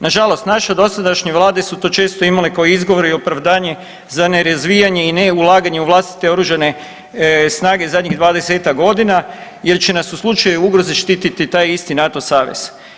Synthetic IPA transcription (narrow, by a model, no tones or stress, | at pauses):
naʒalo̞st̪naʃad̪o̞sad̪aʃɲeʋlˠaːd̪e̞sut̪o̞ːt͡ʃe̞ːst̪o̞imalekaoizɡo̞ʋo̞ɾio̞pɾaʋd̪aːɲe̞ | zaneɾazʋijaɲe̞ineulˠaːɡaɲe̞uʋlˠast̪i̥t̪e̞o̞ɾuʒane̞ | snaːɡe̞zad̪ʲɲiɣd̪ʋaːd̪e̞seːt̪akɡo̞d̪inaje̞ɾt͡ʃe̞nasuslˠut͡ʃajuuɡɾo̞ziʃt̪iːt̪it̪it̪aːjist̪inat̪o̞saːʋḛz̥